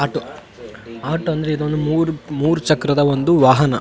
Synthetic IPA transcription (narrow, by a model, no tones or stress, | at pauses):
aːʈu | aːʈuɐnd̪ɐɾeid̪ond̪umuːɾumuːɾut͡ʃɐkɾɐd̪ɐʋond̪uʋaːɦɐnɐ